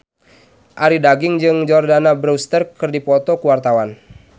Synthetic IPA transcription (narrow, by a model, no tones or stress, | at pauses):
ʔaɾidaɡɪŋd͡ʒɨŋd͡ʒɔrdanabɾust̪ərkərdipɔt̪ɔkəwart̪awan